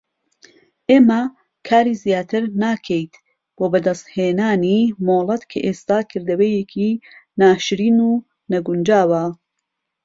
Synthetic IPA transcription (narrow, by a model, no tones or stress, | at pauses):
ʔeːmɐ | kʰaːɾiːzijaːt̪ʰɨɾnaːkʰejt̪ | b̥oːbɐd̪ɐst̪heːnaːnimoːlˠɐt̪kʰɐʔeːst̪aːkʰɨɾd̪ɐwejekʰinaːʃɾiːnuː | nɐɡʊnd͡ʒaːwɐ